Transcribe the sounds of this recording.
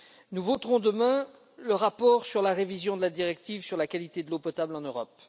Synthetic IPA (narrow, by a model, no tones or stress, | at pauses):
nuvot̪ʁɔ̃d̪əmɛ̃ | ləʁapɔʁsyʁlaʁevizjɔ̃d̪əlad̪iʁɛk̚t̪ivsyʁlakalit̪ed̪əlopɔt̪ablɑ̃nøʁɔp